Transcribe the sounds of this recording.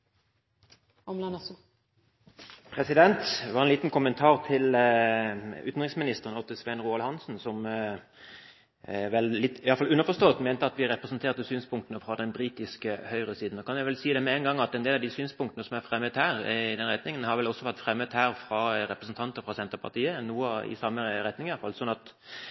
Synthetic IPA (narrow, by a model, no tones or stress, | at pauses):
ɔmlɑns | pʰɾɛsɪd̪ɛnt̪ʋɑʁɛnliːt̪n̩kʊmənt̪ʰɑːʁt̪ʰɪl | ʉːt̪n̩ʁɪŋsmɪnɪst̪əʁənɔt̪ːəsʋɛnʁuːɑlhɑnsn̩sɔm | ʋɛllɪt̪ːɪɑlfɑlʉnəʁfɔst̪oːt̪meːnt̪əɑt̪ʋɪʁɛpʁəsn̩t̪ʰeːʁt̪əsyːnspʰʊŋkt̪ənəfɾɑd̪ɛnbɾiːt̪ɪskəhœʏʁəsiːd̪n̩ɔkʰɑnjæɪʋɛlsiːd̪ɛmɛɛnɡɑŋːɑt̪ɛnd̪eːlɑd̪ɪsyːnspʰʊŋkt̪ənəsɔmæɾfɾɛmːət̪hæːʁɪd̪ɛnɾʁɛt̪nɪŋənhɑɾʋɛlɔsɔʋæʁt̪fɾɛmːəd̪hæːʁfɾɑɾɛpʁəsn̩t̪ʰɑnt̪əfʁɑsɛnt̪əɾpʰɑ̰ʁt̪ʰiːənnuːəɪ̰sɑmːəɾɛt̪nɪŋɑfɑlsɔnːɑt̪